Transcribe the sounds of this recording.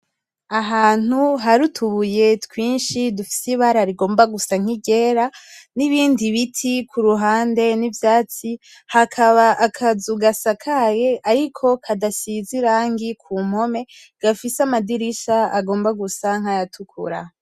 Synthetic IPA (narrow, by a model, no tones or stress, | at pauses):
aɦaːn̥uɦaɾutʰuβuje̞tkwiːnʃidufi̥siβaɾaɾiɡo̞ːmbaɡusaŋ̥iɟe̞ːɾaniβiːndiβitʰikʰuɾuɦaːnde̞nivjaːt͡si | hakʰaβaʔakʰazuɡasakʰaje̞ʔaɾikʰo̞kʰadasiziɾaːŋɡikʰuːm̥ho̞me̞ | ɡ̥afisamadiɾiʃaaɡo̞ːmbaɡusaŋ̥hajatʰukʰṵɾa